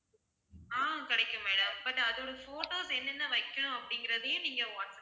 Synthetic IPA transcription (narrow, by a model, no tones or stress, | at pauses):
aːkɐɽɐɪkːɯmːeːɽɐmbɐʈːɐðoːɽɐfoːʈoːsɛnːɛnːɐʋɐɪkːɐɳʊ̃ɐpːɐɽɪŋɡɪɾɐðɯjẽniːŋɡɐɐn